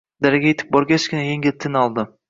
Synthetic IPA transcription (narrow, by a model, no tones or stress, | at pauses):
d̪aɾaɡʲajet̪ʰɪ̥p̚bɒɾɡʲat͡ʃkʲʰɪnajeŋʲɪlt̪ʰɪnɒlˠd̪ɪ